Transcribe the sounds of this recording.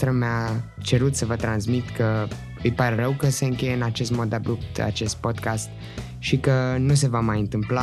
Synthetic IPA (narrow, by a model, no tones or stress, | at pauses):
t̪ɾəmeat͡ʃe̞ɾut̪səvət̪ɾansmit̪kə | ɨjpaɾe̞ɾəwkəse̞ɨŋkʲe̞jeɨnat͡ʃe̞st̪mo̞t̪d̪abup̚t̪a̰t͡ʃe̞st̪̚po̞d̪kast̪ | ʃikənus̬e̞vamajɨnt̪ɨmpla